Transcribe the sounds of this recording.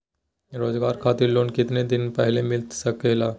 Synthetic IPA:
ɾoːzɡaːɾkʰaːt̪ɪɾloːnkɪt̪ned̪ɪnpɛɦlemɪlt̪sɐkelaː

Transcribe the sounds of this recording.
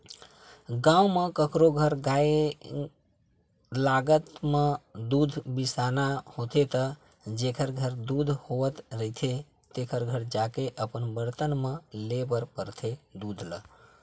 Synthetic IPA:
ɡãumekəkɾoɡʱəɾɡae | laɡət̪med̪ud̪ʱbisanahot̪et̪ə | d͡ʒekʰəɾɡʱəɾd̪ud̪ʱhoʋət̪ɾəɦit̪ʰe | t̪ekʰəɾɡʱəɾd͡ʒakeʔəpənbəɾt̪ənmelebəɾpəɾt̪ʰed̪ud̪ʱlə̰

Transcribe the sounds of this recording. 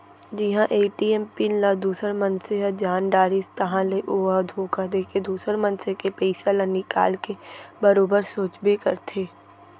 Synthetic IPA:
d͡ʒɪɦãʔeːʈiɛmpɪnlad̪uːsəɾmɐnseɦəd͡ʒaːnɖaːɾist̪ɐɦãleʔoːad̪ʱoːkad̪eːkʰed̪uːsəɾmɐ̃nsekepɛɪsalənɪka̰ːlkebɐɾoːbəɾsoːt͡ʃbekɐɾt̪ʰeː

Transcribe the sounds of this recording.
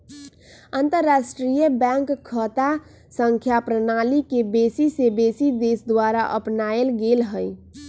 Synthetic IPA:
ənt̪əɾːasʈɾijəbɛ̃ŋkʰːət̪a | sə̃ŋkʰjapɾənalikebesisebesid̪esd̪waɾaʔəpnaelɡelɦəj

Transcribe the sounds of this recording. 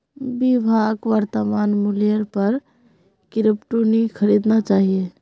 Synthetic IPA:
bibʱaɡʋəɾt̪əmaːnmulijəɾpəɾ | kɪɾəpʈonikʰəɾid̪nat͡ʃaːɦie

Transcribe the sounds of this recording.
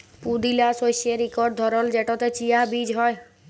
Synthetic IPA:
pud̪ilasojsieɾikɔɾɖd̪ʱɔɾɔld͡ʒeʈɔt̪et͡ʃijabid͡ʒɦɔe

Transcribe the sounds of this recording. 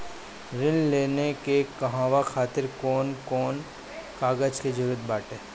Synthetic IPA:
ɾɪnleːnekekɐɦãːʋaxʰaːt̪ɪɾkɔːnkɔːn | kaːɡəd͡ʒked͡ʒʊɾuət̪̚baːʈeː

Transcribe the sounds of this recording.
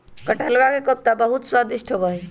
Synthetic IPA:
kəʈʰəlʋakekəp̚t̪abəɦut̪swad̪iʃʈʰobəɦi

